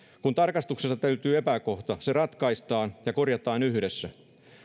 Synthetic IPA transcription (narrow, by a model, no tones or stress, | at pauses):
kunt̪ɑrkɑst̪uksest̪ːɑt̪æyt̪yːepæko̞ht̪ɑseɾɑt̪kɑist̪ɑːnjɑko̞rjɑt̪ɑːnyhdesːæ